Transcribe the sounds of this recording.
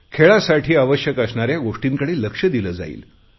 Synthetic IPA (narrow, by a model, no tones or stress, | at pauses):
kʰeɭasaʈʰiːaʋəɕjəkəsɳaɾjaɡoʂʈiːŋkəɽeləkʂəd̪iləːd͡za̰ḭːl